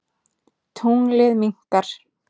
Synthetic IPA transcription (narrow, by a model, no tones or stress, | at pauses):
t̪ʰuŋlɪðmin̥t̪aɾ̥